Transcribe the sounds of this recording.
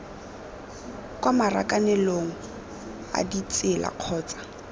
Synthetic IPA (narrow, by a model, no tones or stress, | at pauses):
kʼwamara̰kʼanɛloŋ̩ | a̰dit͡sʼɪla̰q͡χʰɔːt͡sḁ